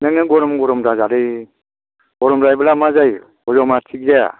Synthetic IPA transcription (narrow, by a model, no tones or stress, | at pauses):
nɯŋnɯɡɔɾɔmɡɔɾɔmɾazaɾɯj | ɡɔɾɔmɾajblamazaj | ɔzɔmatʰiɡzaa̰